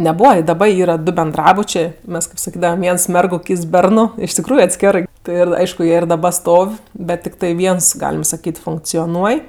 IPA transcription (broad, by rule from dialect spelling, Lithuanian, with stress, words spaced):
nʲɛˈbuːʋɐ ɪ dɐˈbɐ ˈiːrɐ dʊ bʲɛnˈdrɑːbʊt͡ʃʲeː ˈmʲɛs kɜp sɐˈkʲiːdɐʋɐm ˈʋʲiɛns ˈmʲɛrɡʊ ˈkʲiːts ˈbʲɛrnʊ ɪʃ tʲɪkˈruːjʊ ɐtʲˈsʲkʲæːrɜ ˈtɜ ɪr ˈɐɪʃkʊ ˈjiɛ ɪr dɐˈbɐ ˈstoːw ˈbʲɛt tʲɪkˈtɐɪ ˈʋʲiɛns ˈɡɑːlʲɪm sɐˈkʲiːt fʊŋkt͡sʲoːˈnuɔj